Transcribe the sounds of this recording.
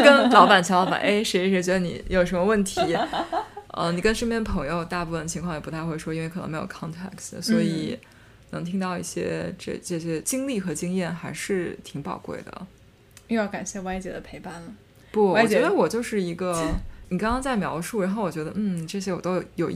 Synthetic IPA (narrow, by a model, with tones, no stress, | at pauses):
kə˥nlɑ˧˥ʊpa˨˩nt͡ɕʰɑ˥lɑ˥ba̰˨˩ʔe˥˩ɪʂe˧˥˧ʂɻɛ˥t͡ɕɥɛ˧˥d̪nḭ˨˩˧jo˨˩ʊʂə˧˥mə˧wə˥˩nt̪ʰi˧˥ | ə̰˧ni˨˩kə˥nʂə˥˧mjɛ˥˩n˩pʰɤ˧˥ŋjo˥˧ʊt̪a˥˧pu˥˩fə˩nə˩t͡ɕʰi˧˥ŋkʰwɑ˥˩jɛ˨˩pu˧˥t̪ʰa˥˧ɪxwe˥˩ɪʂwɔ˥i˥nwe˥˩k̪ʰɤ̰˧˥me˧˥jo˨˩kʰɑ˥ŋt̪ʰɛ̰˥˩ksswɔ˧˥i˨˩ | nɤ˧˥ŋt̪ʰi˥ŋt̪ɑ˥˧ʊḭ˥˩ɕjɛ̰˥ʈ͡ʂə̰˥˧˩ʈ͡ʂɤ˥˩ɕjɛ˥t͡ɕi˥ŋli˥˩xɤ˧˥t͡ɕi˥ŋjɛ˥˩nxa˧˥ɪʂɻ̩˥˩t̪ʰi˧˥ŋpɑ̰˨˩ʊkwḛ˥˩ɪd̪ə̰˩ | y˥˧jɑ˥˩ʊka˨˩nɕjɛ˥˩wa˥ɪt͡ɕjɛ˧˥d̪ə˧pʰe˧˥ɪpa˥˩nlə˩ | pwɔ˥˩wɔ˨˩t͡ɕɥɛ˧˥d̪ə˧wɔ˨˩t͡ɕjo˥˧ʊʂɻ̩˥˩i˧˥ɡə˧ni˨˩kɑ˥ŋkɑ˥ŋt͡sa˥˩ɪmjɑ˧˥ʊʂu˥˩ɻa˧˥nxo˥˩ʊwɔ˨˩t͡ɕɥɛ˧˥d̪ə̰˧n̩˥˩ʈ͡ʂɤ˥˩ɕjɛ˥wɔ̰˨˩t̪o˥ʊ˩jo˨˩ʊ